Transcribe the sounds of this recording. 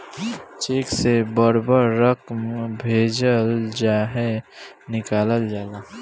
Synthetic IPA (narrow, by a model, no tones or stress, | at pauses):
t͡ʃeːksebəɾbəɾːəkmbʱeːd͡ʒəld͡ʒaːɦenɪkaːləld͡ʒaːlaː